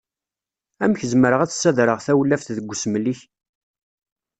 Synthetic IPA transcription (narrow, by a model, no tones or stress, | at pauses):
æmçəzməɾəʁæt͡sːsːæðɾəʁθæwlːæfθðəɡʷːsmliç